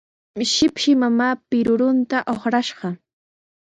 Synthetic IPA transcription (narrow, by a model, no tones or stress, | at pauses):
ʃɪpʃɪmamaːpɪɾʊɾʊnt̪aʔoχɾaʃɢɑ